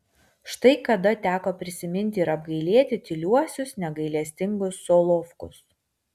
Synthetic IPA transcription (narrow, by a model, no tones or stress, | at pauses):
ʃt̪ɐɪkɐd̪ɐt̪ʲæːkoːpʲɾʲɪsʲɪmʲɪnʲˑt̪ʲɪɪɾɐb̚ɡɐɪlʲiɛt̪ʲɪt̪ʲɪlʲuɔsʲʊsnʲɛɡɐɪlʲiɛsʲt̪ʲɪŋɡʊsːoːlˠɔfkʊ̰s